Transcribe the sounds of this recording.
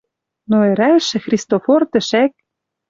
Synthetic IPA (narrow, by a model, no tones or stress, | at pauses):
noeɾæʃɘ̆xrʲist̪ofort̪ɘ̆ʃæk̚